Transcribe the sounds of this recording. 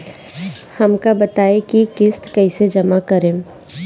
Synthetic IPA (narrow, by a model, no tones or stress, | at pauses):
hɐmkabɐt̪aːekikɪst̪kɛɪsed͡ʒɐmakɐɾẽː